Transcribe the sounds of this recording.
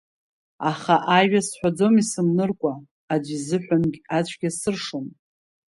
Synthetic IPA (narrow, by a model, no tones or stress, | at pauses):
aχaʔaɥasħʷᶣad͡zo̞misɨmnɨrkʷʼaː | d͡ʒʷizɨħʷᶣamɡʲat͡ɕʷʰɡʲasɨrʂon